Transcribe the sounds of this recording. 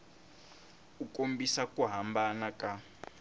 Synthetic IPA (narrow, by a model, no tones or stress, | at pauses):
ukʼombisakʼuɦambanakʼa